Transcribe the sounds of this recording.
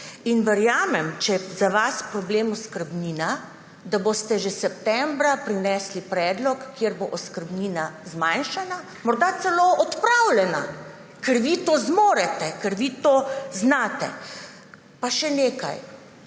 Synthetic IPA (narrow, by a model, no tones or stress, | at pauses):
inʋɛɾjaːmɛmt͡ʃɛzaʋaspɾɔbleːmɔskəɾbniːna | d̪abost̪ɛʒɛsɛpt̪ɛmbɾapɾinɛːslipɾɛːd̪lɔkːjeɾboʔɔskəɾbniːnazmajnʃana | mɔɾd̪at̪sɛloɔt̪pɾawlɛna̰ | kɛɾʋit̪oːzmoːɾɛt̪ɛkɛɾʋit̪oːznaːt̪ɛ̰ | paʃɛneːka̰j